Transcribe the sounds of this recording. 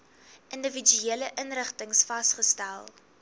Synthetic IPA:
ʔəndəvid͡ʒyeːləʔənrəχtəŋsfɐstχəstælˠ

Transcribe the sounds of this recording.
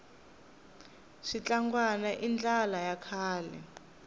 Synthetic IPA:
ʂit͡ɬaŋɡwanaʔind͡ɮʱalajakʰaːlɛ̰

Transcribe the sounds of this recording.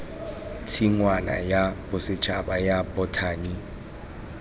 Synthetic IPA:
tʰiŋwana̰jabʊsɪt͡ʃʰʼabajabɔtʰaːni

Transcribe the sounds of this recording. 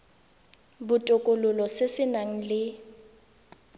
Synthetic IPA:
bʊtʼʊkʼʊlʊlɔsɪsɪnaŋ̩lɪ

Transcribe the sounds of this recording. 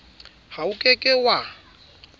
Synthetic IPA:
haukʼekʼɪwa

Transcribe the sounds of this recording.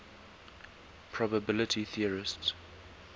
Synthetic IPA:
pʰɹ̥ɔbəbɪlɪtʰiθiəɹɪst

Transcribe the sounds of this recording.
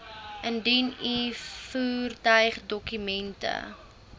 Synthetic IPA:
ʔəndinifuːrtœɥχdɔkymɛntə̰

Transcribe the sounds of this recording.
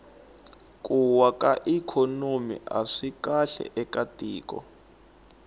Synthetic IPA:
kʼuwakaʔikʰɔnomḭʔa̰ʂikaɬɛ̰ʔɛkatʼiːkɔ̰

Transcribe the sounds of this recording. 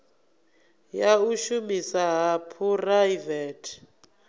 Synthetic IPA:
jauʃumisaɦapʰurajvɛtʰ

